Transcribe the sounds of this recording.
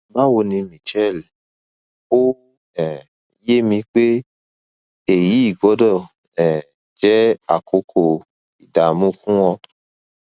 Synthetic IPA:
ba˦wo˧nĩ˧mĩ˨t͡ʃɛ˦˨l | o˦ | ɛ˨ | je˦mĩ˧k͡pe˦ | e˨ji˨˦i˦˨ɡɔ˨˦dɔ˦˨ | ɛ̃˨ | d͡ʒɛ˦a˨kʰo˨˦kʰo˦˨ | i˨da˨mũ˦fũ˦w̃ɔ̃˧

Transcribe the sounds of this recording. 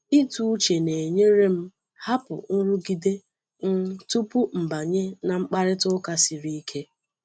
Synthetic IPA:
i˦tu˦t͡ʃe˨ne˨ɲe˦ɾe˦m̩˦ | ha˦pʊ̰˨n̩˦ɾu˦ɡi˨de˦ | ŋ̩˦tu˦pu˦m̩˨ba˨ɲe˦na˨ŋ͡m̩˦k͡pa˦ɾɪ˦tʊ˦ka˦si˨ɾi˦i˦kʰe˦

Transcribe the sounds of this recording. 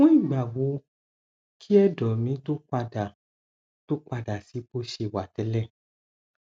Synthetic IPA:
ũ˦i˦˨ɡ͡ba˨wo˨˦ | kʰi˦ɛ˦˨dɔ˨mĩ˨˦to˦k͡pa˧da˨ | to˦k͡pa˧da˨si˨˦bo˦ʃe˧˨wa˨tɛ˨˧˦lɛ˦˨

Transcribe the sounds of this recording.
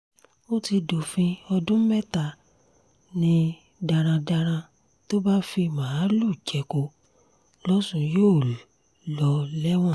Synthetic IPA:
o˦ti˧do˨fĩ˧ɔ˧dũ˦mɛ˦ta˦˨ | nĩ˧˦ | da˧ɾ̃ã˧da˧ɾ̃ã˧ | to˦ba˦fi˧mã˨˦lu˦˨d͡ʒɛ˨˦ko˧ | lɔ˦sũ˧joː˦˨ | lɔ˨˦lɛ˦w̃ɔ̃˦˨

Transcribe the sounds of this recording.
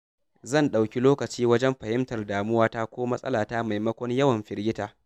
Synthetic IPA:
zɐ˦˨nɗa˨wkʲi˦loː˦kɐ˨t͡ʃiː˦wɐ˦d͡ʒɛ˦mɸɐ˨hɪ˦mtɐ˨rdaː˨mʊ˦waː˦ta˦kʷoː˦mɐ˦sʼɐ̰˦laː˨taː˦ma˨jmɐ˦kʷɔ˦ɲjɐ˦wɐ˨mɸɪ˨ɾɡʲɪ˦taː˨

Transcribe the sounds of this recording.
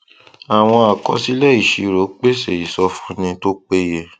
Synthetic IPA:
a˨w̃ɔ̃˧a˨kɔ˧si˦lɛ˦i˦˨ʃi˨˦ɾo˨˦k͡pe˦se˨i˨sɔ˧fũ˧nĩ˧to˦k͡pe˦je˦˧

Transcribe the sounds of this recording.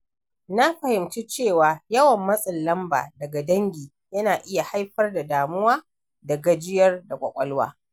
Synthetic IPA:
na˦ɸɐ˨hɪ˨mt͡ʃi˦t͡ʃeː˦˨waː˨jɐ˦wɐ˨mːɐ˦sʼɪ˨lːɐ˦mba̰ː˨dɐ˨ɡa˨dɐ˦ŋɡʲiː˨ | jɐ˦naː˨ʔɪ˦ja˨ha˦jɸɐ˦rda˨daː˨mʊ˦waː˦ | dɐ˨ɡɐ˦d͡ʒɪ˦jɐ˦rda˨kʷʼɐ̰˨kʷʼɐ˦lwa̰ː˦

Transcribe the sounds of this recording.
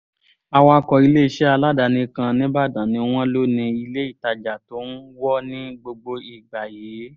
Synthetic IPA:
a˧wa˧kɔ˨i˧le˦i˧˨ʃɛ˦a˧la˦˨da˧nĩ˧kã˧nĩ˦ba˦˨dã˨nĩ˨˧w̃ɔ̃˦lo˦nĩ˧i˧le˦i˦˨ta˧d͡ʒa˨to˨˦n̩˦wɔ˦nĩ˦ɡ͡bo˧ɡ͡bo˧i˨ɡ͡ba˨jeː˨˦

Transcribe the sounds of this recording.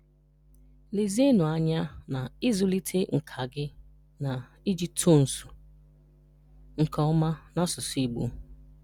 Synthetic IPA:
li˨zi˦nʊ˨a˦ɲa˦na˨ɪ˦zʊ˦li˦tʰe˦ŋ̩˨kʰa˨ɡɪ˦ | na˨ | i˦d͡ʒi˦p̚tʰo˦˨n̩˨su̥˨ | ŋ̩˨kʰɔ˨˦ma˦na˦sʊ˨si˦ɡ͡bṵ˨

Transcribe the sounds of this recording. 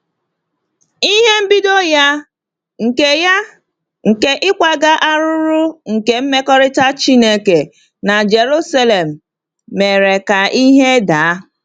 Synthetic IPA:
i˦ɦe˦m̩˦bi˦do˦ja˦ | ŋ̩˨e˦ja˦ | ŋ̩˨ke˦ʔɪ˦kʷa˦ɡa˦ʔa˦ɾʊ˦ɾʊ˦ŋ̩˨ke˨m̩˦me˦kɔ˦ɾɪ˦ta˦t͡ʃi˦ne˦ke˨ | na˨d͡ʒe˨ɾu˦sa˦le˨m̩ː˨ | e˨ɾe˨ka˨ʔi˦ɦe˦da˨˦

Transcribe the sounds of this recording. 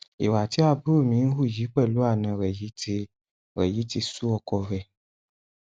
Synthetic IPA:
ḛ˨wa˨t̪i˦a˦bu˦o˦˨mĩ˨˦n̩˦xu˦˨d͡ʒi˨˦k͡pɛ˦˨lu˦a˦˨nɛ̃˨ɾɛ˨ji˨˦te˧ | ɾɛ̰˨ji˨˦ti˧su˦ɔ˧kɔ˧vɛ˨

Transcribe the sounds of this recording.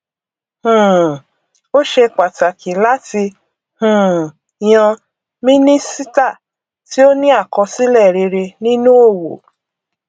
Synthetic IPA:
h̩˨ | o˦ʃe˧k͡pa˨ta˨kĩ˨la˦ti˧ | hũ˨ | j̃ã˧ | mĩ˦nĩ˦si˦ta˦˨ | ti˦o˦nĩ˦a˦˨kɔ˧si˦lɛ˦˨ɾe˧ɾe˧nĩ˦nũ˦o˦˨wo̰˨

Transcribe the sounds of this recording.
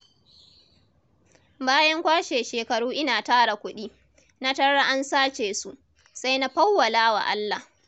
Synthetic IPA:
baː˦jɐ˦ŋkʷaː˦ʃeː˨ʃeː˨kɐ˨ɽuː˦ʔɪ˦naː˨taː˦ɽa˨kʷʊ˦ɗiː˦ | na˦tɐ˦ɽa˦ʔa˦nsaː˦t͡ʃeː˨su˨ʔ | sa˦jna˦ɸɐ˦wːɐ˨laː˦wa̰˨ʔa˦lːa˨

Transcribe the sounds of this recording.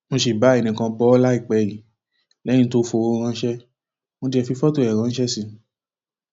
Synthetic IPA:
mõ˧ʃi˨ba˨˦ɛ˨nĩ˨kã˧bɔ˧˦ɔ˦la˦i˦˨k͡pɛ˧˨li˨ | lɛ˨˦nĩ˦to˦˧fo˧o˧ɾ̃ã˧˦ʃɛ˦ | mõ˧di˧˦ɛ˧fi˧fɔ˦to˦˨ɛ˨ɾ̃ã˧˦n̩˦ʃɛ˦sĩ˧

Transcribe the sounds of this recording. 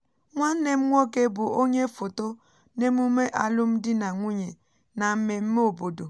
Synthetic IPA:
ŋʷa˦ne˦m̩˦ŋʷɔ˦ke˦bʊ˨o˦ɲe˦fo˨to˦ | ne˦mu˦me˦ʔa˨lʊ˦m̩˦dɪ˦na˨ŋʷi˦ɲe˨ | na˨m̩˦me˨m̩˦me˦o˨bo˨do˨

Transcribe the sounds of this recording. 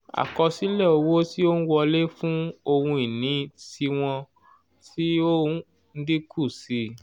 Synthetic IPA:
a̰˨kɔ˧si˨˦lɛ˦˨o˧wo˦ti˦o˦ñ̩˦wɔ˧le˦fũ˦o˧hũ˧i˨nĩ˨˦ti˧w̃ɔ̃˧ | ti˦o˦ | n̩˦di˦kʰu˦˨si˧

